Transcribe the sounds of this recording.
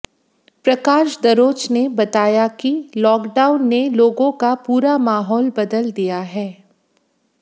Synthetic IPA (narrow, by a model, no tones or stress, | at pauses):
pɾɐkaːʃd̪ɐɾoːt͡ʃnebɐt̪aːjakilɔːkɖaːʊnːeloːɡõkapuːɾamaːɦɔːlbɐd̪əld̪ijaɦɛː